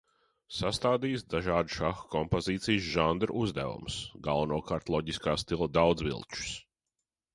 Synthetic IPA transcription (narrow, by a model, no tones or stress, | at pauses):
sast̪aːd̪iːsd̪aʒaːd̪ʃaxkɔmpoziːt̪sijsʒand̪ɾ̰uzd̪æ̰vṵmsɡalˠvɐnuɔkaːɾt̪lˠɔɟiskaːst̪ilˠəd̪awd̪zvḭlˠt͡ʃu̥s